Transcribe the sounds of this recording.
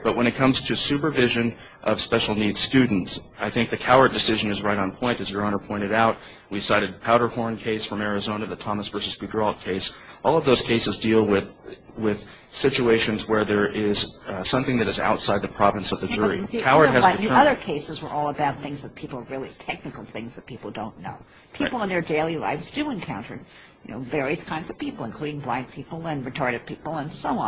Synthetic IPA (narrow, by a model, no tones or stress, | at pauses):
b̥ʌt̚wə̃ɾ̃ɨt̚kʰʌ̃mz̥tʰɨsʉpə˞vɪʒɨ̃n | ʔʌv̥spɛʃl̩ˠnid̥stʉdⁿn̩tsʔaɪθɪ̃ŋk̚ðɨkʰaʊə˞dɨsɪʒɨ̃nɨzɹaɪɾn̩pʰɔ̃ɪ̃ntɨzjə˞ɑ̃nəpʰɔ̃ɪ̃ɨɾaʊt̚ | wisaɪɾɨd̚pʰaʊɾə˞hɔɹnkʰeɪsfɹʌ̃mɛɹɨzõʊ̃nɨðɨtʰɑməsv̥ɜ˞sɨskʉdɹɔlˠkʰeɪsʔɔlˠʌvðoʊz̥kʰeɪsɨzdilˠwɪð | wɪð̥ | sɪt͡ʃueɪʃɨ̃nzwə˞ðə˞ʔɪz̥sʌ̃mθɪ̃ŋðɨɾɨza̰ʊtsaɪd̪̚ðɨpʰɹ̥ɑvɨ̃nsʌvðɨd͡ʒʊɹḭkʰaʊə˞ɨzðʰiʌðə˞kʰeɪsɨzwə˞ʔɔlˠəbaʊt̪̚θɪ̃ŋzðɨt̚pʰipl̩ˠɹɪlˠitʰɛk̚nɨkl̩ˠθɪ̃ŋzðɨt̚pʰipl̩ˠdõʊ̃nːo̰ʊ | pʰipl̩ˠə̃nðə˞deɪlˠila̰ɪvzdɨɨ̃nkʰãʊ̃ntʰə̰˞ | jɨnoʊvɛɹiɨskʰãɪ̃nzʌv̥pipl̩ˠə̃nkʰl̥ʉɾɪ̃ŋblãɪ̃npʰipl̩ˠɨ̃nɹɨtʰɑɹɾɨd̚pʰipl̩ˠə̃nsoʊɑ̃